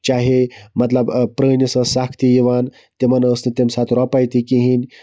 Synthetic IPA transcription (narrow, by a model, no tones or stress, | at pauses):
t͡ɕaɦemɐt̪ləbpɾənəsəsakʰt̪ijiʋan | t̪emənəsnɨt̪emsat̪ɾɔpajt̪ikiɦinʲ